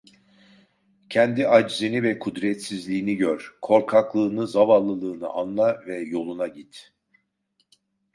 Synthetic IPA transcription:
cʰɛnd̪iʔad͡ʒzinivɛkʰud̪ɾɛt̪sizlʲiːniɟøɾkʰo̞ɾkʰaklˠɯːnɯzavanlˠːɯlˠɯːnɯ̰ʔanlˠavɛjo̞lˠunaɟit̪

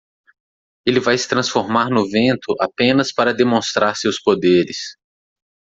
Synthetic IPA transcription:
elɪvajsɪ̥t̪ɾɐ̃sfoɾmaɾnʊvẽnt̪ʊʔapẽnɐspaɾɐd̪emõst̪ɾaɾsewspod̪eɾɪs

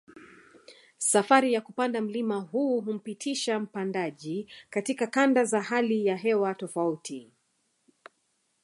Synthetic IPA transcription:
safaɾijakupandam̩limaɦuːɦum̩pitʰiʃam̩pandaʄikatikakandazahalijaɦɛwatɔfautʰi

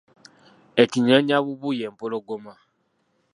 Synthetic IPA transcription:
ɛkiɲãɲãβubujɛm̩poloɡomã

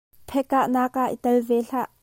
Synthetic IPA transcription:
pʰɛkːaʔnaːkaʔḭt̪ɐlvɛːɬaʔ

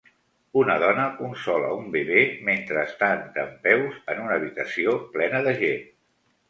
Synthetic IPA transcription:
unəðɔnəunsɔlə̰umbeβement̪ɾəːst̪ant̪ə̰mpɛwzənunəːβ̞it̪əsioplɛnəðəʒe

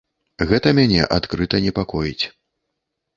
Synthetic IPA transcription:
ɣɛt̪ɐmʲanʲɛ̰ʔat̪kɾɨt̪ɐnʲɛpakɔjit͡sʲ

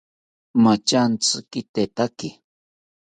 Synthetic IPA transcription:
mat͡ʃant͡sɨkɪt̪et̪akɪ

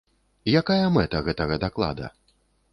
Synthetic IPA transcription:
jakajɐmɛt̪ɐɣɛt̪ɐɣɐd̪aklˠa̰d̪ɐ̰

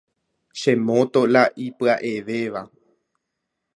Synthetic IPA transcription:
ʃẽmõt̪o̞laʔipɨaʔe̞ʋe̞ʋa

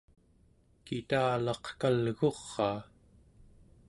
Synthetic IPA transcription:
kit̪aːlɑqkalɣo̞ʁːɑː

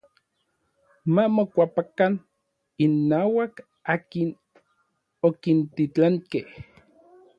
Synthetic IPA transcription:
mamokʷapakan | inːaːwak | aːkin | okint̪it͡ɬaŋkeh

